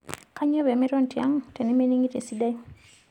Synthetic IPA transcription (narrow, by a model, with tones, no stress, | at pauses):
ka˦ɲɔ˦βɛ˨mɛ˦ɾɔ˦n˨tja˦ŋ˨te˨ne˦me˦ni˦ŋi˦te˨si˦da˦i˦